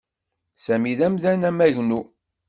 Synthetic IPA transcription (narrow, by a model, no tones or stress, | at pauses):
sæmiðæmðænæmæʝnu